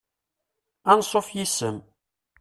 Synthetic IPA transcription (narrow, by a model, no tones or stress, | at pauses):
ænsˤofjisəm